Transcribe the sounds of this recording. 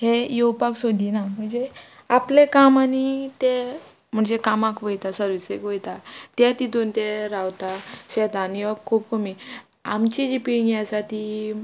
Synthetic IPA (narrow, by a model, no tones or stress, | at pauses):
hejowpaksod̪ʱinam̤əɳd͡ze | aplekamanit̪e | m̤əɳd͡zekamakʋəjt̪asəɾʋit͡sekʋəjt̪at̪jɛt̪id̪ont̪ɛɾawt̪aɕɛt̪aniʋab̚kʰuːp̚kʰəmi | amt͡ɕid͡ʑipiɽɡiasat̪i